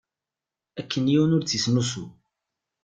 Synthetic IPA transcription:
ækːənjiwnʊɾt͡sisnusu

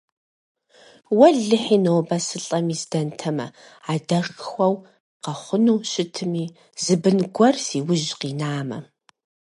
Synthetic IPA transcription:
wɐɮɨħiːnoːbɐsɨɬʼɐmiːzdɐntʰɐmɐ̰ | adɐxxʷɐw | qɐχʷʊnuːʃɪtʰɨmiː | zɨbɨnɡʷɔrsiːwʊʒqiːnaːmɐ̰

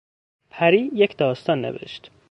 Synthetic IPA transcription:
pʰæɾiːjecʰd̪ɒːst̪ɒnːḛvḛʃt̪

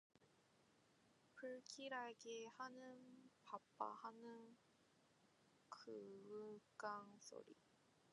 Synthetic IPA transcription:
pʰɯɭkʰiɾaɭɡehanɯnpap͈a̰hanɯn | kʰɯɯk͈aŋsʰo̰ɾḭ

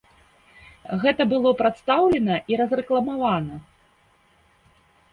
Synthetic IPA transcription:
ɣɛt̪ɐbɨlˠɔpɾat̪st̪awlʲɛnɐʔiɾɐzrɛklˠɐmavanɐ

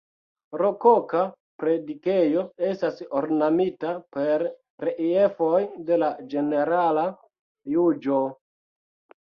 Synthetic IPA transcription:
ɾo̞koka | pɾe̞dike̞jo̞e̞stasoɾnamitape̞ɾː | eʔie̞fojde̞lad͡ʒe̞ne̞ɾala | jud͡ʒo

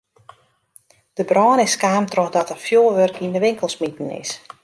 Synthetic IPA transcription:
d̥əbrɔːnɪskaːmtrɔxdɔtəfjoːlˠʋørkindəʋɪŋkəlˠsmitn̩ɪ̰s

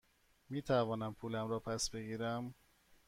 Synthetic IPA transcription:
miːt̪ʰævɒːnæmpʰuːlæmɾɒːpʰæsbe̞ɡiːɾæm

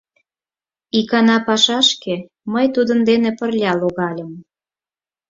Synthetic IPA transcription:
ikɑnɑpɑʃɑʃke | məjt̪ud̪ənd̪enepə̆rlʲɑloɣɑlʲəm

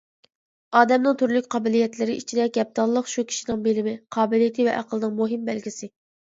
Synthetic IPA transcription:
ɑːd̪ɛmnɨŋt̪ʰyɾlykʲqʰɑːbɪlijɛt̪lɪɾɪʔit͡ʃʰid̪ɛɡʲɛp̚t̪ɑlˠːəqʃukʲʰi̥ʃinɪŋbelɪmɪqʰɑːbɪlijɪt̪ʰɪvɛʔæqʰəlˠɨnɨŋmoɦɪmbɛlɡʲisɪ

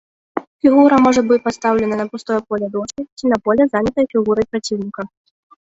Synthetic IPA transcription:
fʲiɣuɾɐmɔʐɐbɨt͡sʲpat̪st̪awlʲɛnɐnɐpɾust̪ɔjɐpɔlʲɐd̪ɔʂkʲit͡sʲinɐpɔlʲɛzanʲɐt̪ɐjɐfʲiɣuɾɐjpɾat͡sʲiwnʲikɐ

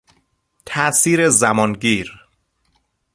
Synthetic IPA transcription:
t̪ʰæsiːɾezæmɒːnɡiːɾ

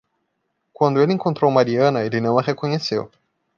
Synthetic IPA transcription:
kwɐ̃nd̪ʊelɪẽŋkõnt̪ɾowmaɾiɐ̃nɐelɪnɐ̃w̃ɐhekõɲesḛw

